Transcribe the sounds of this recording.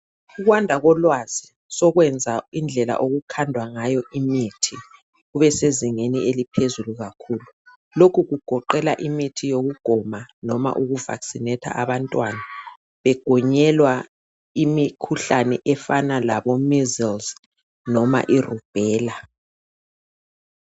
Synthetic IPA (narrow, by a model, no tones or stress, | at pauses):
uɣwandʱaɣɔlwaz̥i | sɔɣwɛnd͡zʱaind͡ɮʱɛla̰ʔoɣukʰandʱwaŋajɔʔimitʰi | ɣuβɛseziŋenielipʰezuluɣakʰuːlu | lokʰuɣuɡ̥ʱɔǃɛlaʔimitʰijoɣuɡ̥ʱɔmanɔma̰ʔuɣuva̰ksinɛtʰa̰ʔaβantʼwana | βɛɡ̥ʱɔɲɛlwa | imikʰuɬanɛ̰ʔɛfanalaβɔmizilz | nɔma̰ʔirub̥ʱɛːla